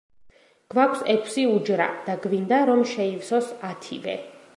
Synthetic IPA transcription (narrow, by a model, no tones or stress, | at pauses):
ɡ̥vakʷʰsɛkʷʰsiud͡ʒɾa̰d̪̥aɡvind̪aɾɔmʃɛivsɔsat̪ʰḭvɛ̰